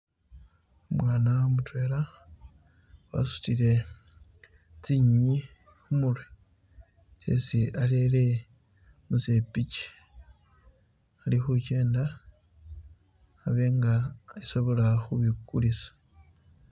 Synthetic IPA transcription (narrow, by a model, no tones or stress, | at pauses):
omwaːnaomutwe̞ːɾa | wa̰su̥tiɾe̞ | t͡siɲiɲi | xumulwe | t͡ʃḛsialele̞ | muze̞pici̥ | alixuce̞ːnda | βeŋɡaiso̞βo̞laxuβikulisḁ